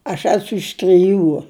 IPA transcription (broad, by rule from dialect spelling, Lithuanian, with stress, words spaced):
ɐʃ ˈæːsʊ ɪʃ tʲrʲɪˈjuː